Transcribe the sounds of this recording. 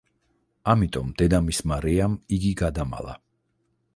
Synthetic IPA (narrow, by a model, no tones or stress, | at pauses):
amit̪ʼɔmd̪̥ɛd̪amismaɾɛamiɡiɡad̪ama̰lˠa̰